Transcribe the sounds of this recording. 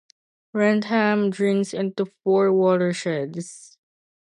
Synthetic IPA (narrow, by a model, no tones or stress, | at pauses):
ɹɛ̃ndhæmdɹĩŋsɪ̃ntufɔɹwɔɾəɹʃɛds